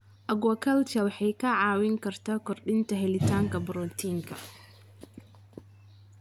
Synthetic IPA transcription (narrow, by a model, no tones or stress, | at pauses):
ʔɐɡɐkʰɐlt̪ʰɐwɑħɑjkʰɐʕɑːwɪŋkʰɐrt̪ʰaːkʰɔrɗɪnt̪ʰɐɦɛlɪt̪ʰaːŋkʰɐbɾɔt̪ʰiːŋkʰɐ̰